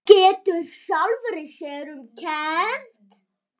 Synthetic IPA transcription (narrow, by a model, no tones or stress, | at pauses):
cɛːt̪ʏsalvɾɪsjɛɾʏmcʰɛn̥t̪